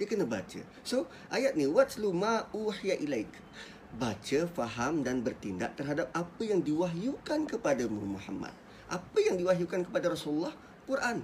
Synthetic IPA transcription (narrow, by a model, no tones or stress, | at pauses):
diəkənaba̰t͡ʃə̰ | so | ʔajat̪̚niwatlumãʔuħijaʔilajk | bat͡ʃəfaɦamdanbərt̪inda̰ʔt̪ərɦadap̚apəjaŋdiwaɦjukankəpadamumuħa̰mːa̰t̪̚ | ʔapəjaŋdiwaɦjukankəpadaɾɔsululːah | kurʔan